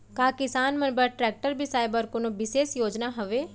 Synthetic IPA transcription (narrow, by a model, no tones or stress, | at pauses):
kaːkɪsaːnmənbəɾʈɾɛːk̚ʈəɾbʱisaːjbəɾkonõːbɪseːsjoːd͡ʒnaːɦʊʋeː